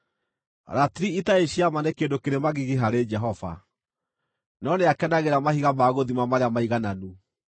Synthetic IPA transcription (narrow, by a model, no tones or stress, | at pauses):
ɾatiɾiitaeɕiamanekedokeɾemaɣiɣeɦaɾed͡ʒɛɦɔva̰ | nɔneakɛnaɣeɾamahiɣamaɣoðimamaɾeamaiɣananu